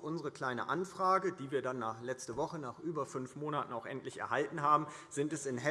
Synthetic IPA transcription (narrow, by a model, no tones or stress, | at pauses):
ʔʊnzəʁ̞əkl̥aɪnə̰ʔa̰nfʁ̥aːɡəd̥iːviːɐdanːaːχlɛt͡stəvɔχənaːχʔyːbɐfʏnfmoːnatn̩aʊxʔɛntlɪçɛ̰ɐɦaltn̩ɦaːbm̩ | zɪntɛsɪnɦɛ